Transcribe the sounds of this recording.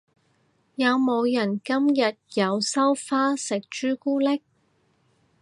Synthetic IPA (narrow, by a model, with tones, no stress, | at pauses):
jɐ˨˧wmo˨˧wjɐ˨˩nkɐ˥mjɐ˨t̚jɐ˨˧wsɐ˥wfaː˥sɪ˨k̚t͡ʃyː˥kuː˥lɪ˥k̚